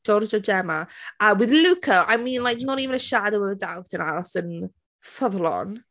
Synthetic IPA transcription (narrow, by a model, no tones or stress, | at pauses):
d͡ʒɔrd͡ʒɔd͡ʒɛmaəwɪðlukʰəʔa̰jmĩːnlˠajk̚nɔɾiːvənəʃadəwəðədawtə̃na̰ləsə̃n | fəðlɔ̰n